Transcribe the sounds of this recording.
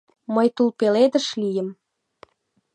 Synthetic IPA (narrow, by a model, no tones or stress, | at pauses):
məjt̪ulpeled̪ə̆ʃlijəm